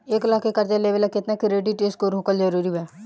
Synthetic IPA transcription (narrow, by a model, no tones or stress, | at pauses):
eːklaːkekəɾd͡ʒaleːʋəlɛkɪt̪nekɾeːʈiʈeːskoːɾɦokəld͡ʒəɾuːɾibɛː